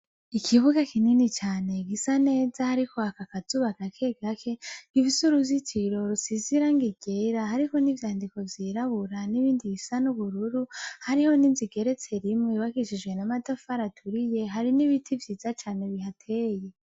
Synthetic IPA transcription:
ikʰiβuɡakininit͡ʃaːne̞ɡisane̞ːzahaɾikʰo̞hakakazuːβakakʰe̞ɡakʰe̞ŋivisuɾuzit͡ʃiɾo̞ɾusiziɾaŋɡiɡ̥eɾahaɾiko̞nivjaːndiko̞vjiːɾaβuɾaniβiːndiɡisanuβuɾuɾuhaɾiho̞ninziɡe̞ɾe̞t͡se̞ɾimŋeβakiʃid͡ʒɡwe̞namadofaɾatʰuɾije̞ɦaɾiniβitʰivjiːzat͡ʃaːne̞βihatʰeːje̞

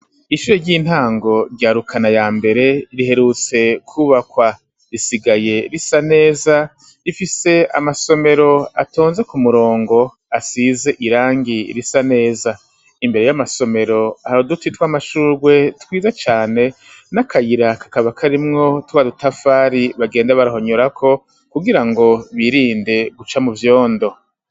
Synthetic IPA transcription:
iʃuːɾeɾɟiːn̥haːŋɡo̞ɾɟaːɾukʰanajaːmbe̞ɾe̞iɾiɦe̞ɾut͡se̞kʰuːβakwa | ɾisiɡaje̞ɾisane̞ːza | ifise̞a̰maso̞me̞ɾo̞a̰toːnze̞kumuɾo̞ːŋɡo̞ | asize̞ʔiɾaːŋɡiɾisane̞ːza | imbe̞ɾe̞jamaso̞me̞ɾo̞haɾodutitwamaʃuːɾɡwe̞twiːzat͡ʃaːne̞ | nakʰajiɾakḁkaβakʰaɾimŋo̞tuβadutafaːɾiβaɡe̞ːndaβaɾaɦo̞ɲoɾakʰo̞ | kuɡiɾaŋɡo̞βiɾiːnde̞ɡut͡ʃamuvjo̞ːndo̞

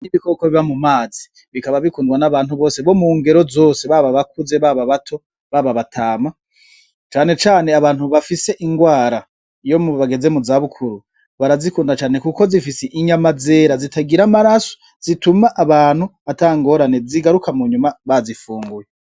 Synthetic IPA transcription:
niβikokoβiβamumaːzi | βikaβaβikuːndɡwanaβaːnhuβo̞ːse̞βo̞muːŋɡe̞ɾo̞zo̞ːse̞βaβaβakuze̞βaβaβatʰo̞ | βaβaβatʰaːma | t͡ʃaːne̞t͡ʃaːne̞aβaːn̥huβafise̞ʔiŋɡwaːɾa | ijo̞muβaɡe̞ze̞muzaβukʰuɾu | βaɾazikuːndat͡ʃaːne̞kuko̞zifiseʔiɲamaze̞ːɾazitaɡiɾamaɾaso̥ | z̥itumaʔːβaːn̥huataŋɡo̞ɾane̞ziɡaɾukʰamuɲumaβazifuːŋɡuje

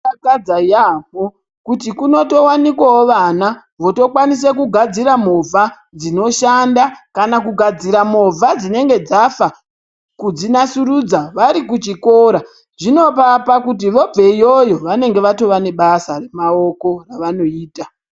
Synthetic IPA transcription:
aad͡zaap̚o̞ | kutikuno̞to̞wanikwawoʋana | ʋo̞to̞kwanis̬ekuɡʱad͡ziɾamo̞vʱa | d͡zino̞ʃandakanakuɡʱad͡ziɾamo̞vʱad͡zine̞ŋɡe̞d͡zafa | kud͡zinasuɾud͡zaʋaɾikut͡ʃiko̞ːɾa | ʐino̞papakut̬iʋo̞b͡ve̞ijo̞jo̞ʋane̞ŋɡe̞ʋato̞ʋane̞ɓasare̞mao̞ko̞raʋano̞iːta

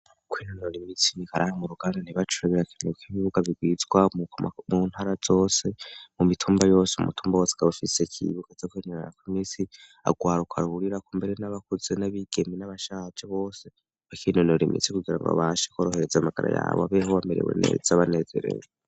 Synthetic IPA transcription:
kʰwiːnonoɾimit͡sinikaɾahamuɾuɡ̥aːndaniβat͡ʃuɾeβiɾakinokiβiβuɡaβiɡwizɡwamun̥haːɾazo̞ːse̞mumitʰuːmbajo̞ːseṵmutʰuːmbawo̞ːse̥kaβafisekʰḭβuɡ̥azokinonɾakwimit͡si | a̰ɡwaːɾukʰa̰ɾuhuɾiɾakumbe̞ɾe̞naβakuz̥enaβiɡ̥e̞minaβaʃat͡ʃeβo̞ːse̞ | akinonoɾimḭt͡sikuɡiɾa̰ŋɡo̰βaʃekoːɾo̞he̞ɾezamaɡ̥a̰ɾa̰ja̰ːβoaβehowameɾḛwḛnḛzaβane̞ze̞̰ɾḛje

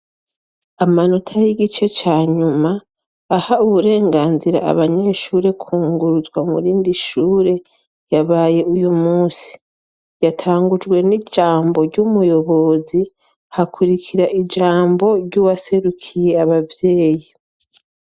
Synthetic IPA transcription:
amanotʰajiɡit͡ʃe̞t͡ʃaːɲumaː | hauβuɾe̞ːŋɡaːnziɾa̰a̰βaɲe̞ʃuːɾe̞kʰuːŋɡuɾuzɡwamṵɾiːndiʃuːɾe̞ | jaβaːje̞ujumuːsi̥ | jatʰaːŋɡud͡ʒɡwe̞nid͡ʒaːmbo̞ɾɟumujo̞βo̞zi | hakʰuɾikʰiɾaʔid͡ʒaːmbo̞ɾɟuwase̞ɾukʰije̞aβavje̞ːji

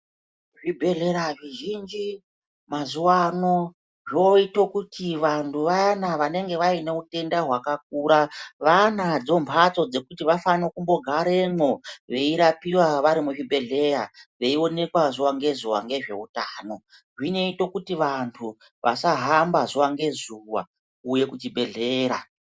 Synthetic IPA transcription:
ʐibʱeɮe̞ɾaʐiʒind͡ʒi | mazuwano̞ | ʐoito̞kutʰiʋantʰuʋanaʋane̞ŋɡe̞ʋaine̞ute̞ndaɦwakak̚uːɾaʋanad͡zo̞mpʰat͡so̞d͡ze̞kutiʋafanokumbo̞ɡʱaɾe̞no̞ʋe̞iɾapiwaʋaɾimuʒibʱe̞ɮe̞ɾa̰ʋe̞io̞ne̞kwazuwaŋɡe̞zuwa̰ŋɡe̞ʐe̞̰utaːno̞ | ʐine̞ito̞kutiʋantʰu | ʋʔa̰saɦambazuwaŋɡe̞zuwa̰ | uje̞kut͡ʃibʱe̞ɮe̞ːɾa

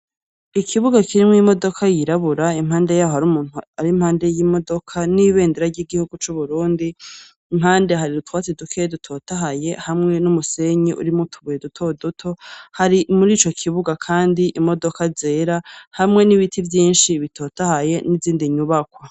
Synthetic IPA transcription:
ikʰiβuɡakʰiɾimŋimo̞do̞kʰajiɾaβuɾaim̥haːndejaːhohaɾumuːn̥uaɾim̥haːnde̞jiːmo̞do̞kʰaniβe̞ːndeɾaɾɟiɡihuɡut͡ʃuβuɾuːndiː | mhaːnde̞ɦaɾidutwaːt͡sedukʰeedutʰo̞ːtaɦaje̞hamŋe̞numuse̞ɲeʔṵɾimutʰuβujedutʰo̞dutʰo̞haɾimuɾiːt͡ʃo̞kʰiβuɡakʰaːndiʔimo̞do̞kaze̞ɾahamŋe̞niβitʰivjiːnʃiβitʰo̞ːtahaje̞niziːndiɲuβakwa

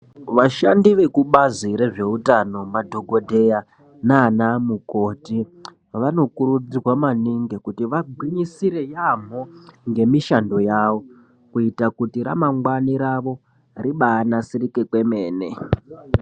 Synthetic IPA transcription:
ʋaʃandiʋe̞kuɓaziɾe̞ʐe̞utano̞madʱo̞ɡo̞dʱe̞ja | naːnamuko̞ti | ʋano̞kuɾud͡zirwamaniŋɡekutiʋaɡʱwiɲisiɾe̞jam̤oŋɡe̞miʃando̞jaːʋo̞ | kuitakutiɾa̰maŋɡwaniɾaʋo̞ | riɓaːnasirike̞kwe̞me̞ːne̞

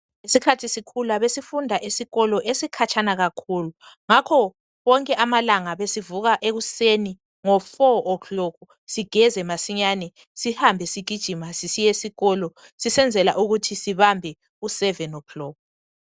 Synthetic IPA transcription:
esikʰatʰisikʰulaβesifundʱaʔisiɣɔlɔʔesikʰat͡ʃʰʼanaɣakʰuːlu | ŋakʰɔ | ɣɔŋkʼɛʔamalaŋaβesivuɣaʔeɣuseni | ŋɔfɔɔklɔkʰu | siɡ̥ʱɛzɛmasiɲanɛ | sihambʱɛsiɡ̥ʱid̥ʒ̥ʱimasisijesiɣɔlɔ | sisɛnd͡zʱɛla̰ʔuɣutʰisiβambʱɛ | usɛvɛnɔkʰlɔːkɔ

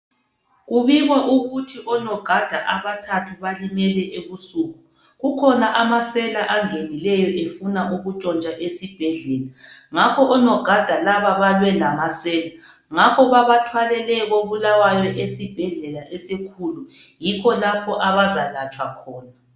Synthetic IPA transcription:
ɣuβiɣwaʔuɣutʰiʔɔnɔɡ̥ʱad̥ʱaʔaβatʰatʰuβalimɛlɛʔeβusuːɣu | ɣukʰɔnaʔamasɛlaʔaŋenilɛjɔʔefunaʔuɣut͡ʃʼɔnt͡ʃʼaʔesib̥ʱɛɮɛːlaŋakʰɔʔɔnɔɡ̥ʱad̥ʱalaβaβalwɛlamasɛːla | ŋakʰɔβaβatʰwalɛlɛɣoβulawajɔʔesib̥ʱɛɮɛlaʔɛsekʰulu | jiɣɔlapʰɔʔaβazalat͡ʃʼwakʰɔːna

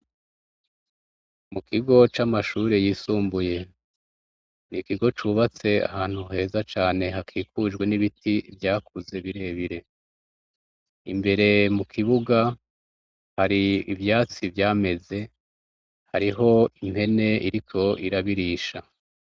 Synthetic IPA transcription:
mukʰiɡo̞t͡ʃamaʃuːɾe̞jiːsuːmbuje̞ | nikiɡo̞t͡ʃuβat͡se̞a̰haːn̥huɦe̞ːzat͡ʃaːne̞ɦakʰiːkuːd͡ʒɡwe̞niβitivjaːkʰuze̞βiɾe̞ːβiɾe̞ | imbe̞ɾe̞mukʰiβuɡa | haɾiivjaːt͡sivjaːme̞ze̞ | haɾiɦo̞im̥he̞ne̞iɾikʰo̞ʔiɾaβiɾiːʃa

